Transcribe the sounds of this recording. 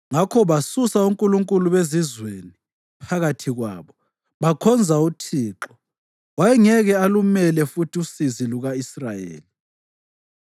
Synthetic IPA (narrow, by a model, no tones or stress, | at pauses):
ŋakʰɔβasusauŋkʼuluŋkʼuluβezizweni | pʰaɣatʰiɣwa̰ːβɔ | βakʰɔnd͡zʱautʰiːǁɔ | wajɛŋɛɣɛalumɛlɛfutʰiusiziluɣaisra̰jḛːli